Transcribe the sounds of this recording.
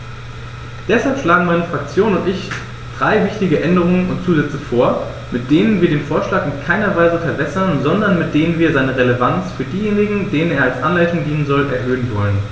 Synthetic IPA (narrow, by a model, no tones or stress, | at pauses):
d̥ɛshalpʃlaːɡŋ̩maɪnəfʁ̥ak̚t͡sjoːnʊntʔɪç | d̥ʁaɪvɪçtɪɡəʔɛndəʁ̞ʊŋənʊntt͡suːzɛt͡səfoːɐ | mɪt̚d̥eːnənviːɐɾeːnfoːɐʃlaːkɪnkʰaɪnɐvaɪzəfɛɐbɛsɐnzɔndɐnmɪt̚d̥eːnənviːɐzaɪnəʁeləvant͡sfyːɐdiːjeːnɪɡŋ̩deːnəneːɐalsʔanlaɪtʊŋdiːnənzɔlʔɛɐɦøːənvɔlən